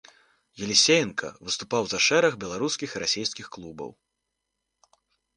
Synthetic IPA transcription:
jɛlʲisʲejɛnkʰɐ̰vɨst̪upawzɐʂɛɾɐɣbʲɛlˠaɾuskʲixiɾasʲejskʲixklˠubɐ̰w

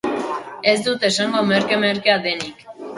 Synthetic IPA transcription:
e̞zd̪ut̪e̞saŋɡomeɾkemeɾkeaðe̞nik

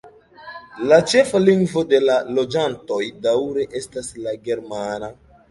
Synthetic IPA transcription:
lat͡ʃe̞faliŋɡvo̞de̞lalo̞d͡ʒanto̞jdawɾe̞ʔe̞staslaɡe̞ɾmana

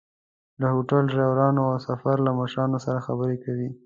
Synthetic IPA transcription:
d̪ahoʈalʒawɾɑnoawsafaɾlamaʃɾɑnosaɾaxabəɾekawi

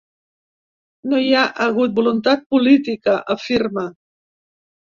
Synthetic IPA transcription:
nojaʔəɣut̪̚bulunt̪at̪̚pulit̪ikəʔəfirma

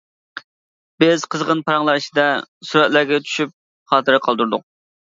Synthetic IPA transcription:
b̥ɪzqʰəzʁənpʰɑɾɑŋlˠɑɾɨʃid̪ɛsuɾɛt̪̚læɾɡʲɛt͡ʃʰy̥ʃyp̚ | χɑːt̪ɨɾɨqʰɑlˠd̪uɾd̪ʊq̚

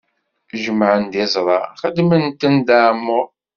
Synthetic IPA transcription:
ʒəmːʕənd̪ɪzˤɾˤɑχəd̪mənt̪ənd̪aʕmːʊɾ

